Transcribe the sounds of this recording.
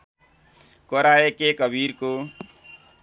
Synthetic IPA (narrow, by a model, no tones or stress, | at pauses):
koɾaekekʌbʱiɾko